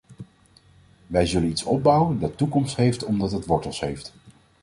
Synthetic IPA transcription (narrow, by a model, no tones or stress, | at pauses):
ʋɛjzɵlənitsɔ̰b̚bʌwəndɑtːukɔmstɦejftɔmdɑtɦətʋɔɹtəlˠsɦejft